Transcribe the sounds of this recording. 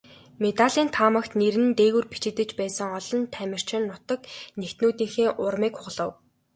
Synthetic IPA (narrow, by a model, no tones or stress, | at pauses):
met̪aɮiːnt̪ʰaːmə̆kt̪neɾɘ̆nt̪eːɣɘ̆rpit͡ɕɪ̆t̪ɘ̆t͡ɕpæːsə̆ŋɔɮɞ̆nt̪ʰæmʲɪ̆r̥t͡ɕɪ̆nːʊt̪ɞ̆knekt̪noːt̪iːxeːʔʊrmiːkχʊʁɮə̆w